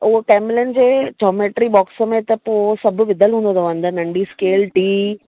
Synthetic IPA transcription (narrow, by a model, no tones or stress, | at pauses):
ʊɦokɛːmlənd͡ʑeːd͡ʑɔːmeːʈɾibɔːksəmẽt̪ɐposɐbʱʊ̆ʋɪd̪ʱəlɦũːnd̪od̪oʋɐ̃nd̪ənɐ̃ɳɖiskeːlʈiː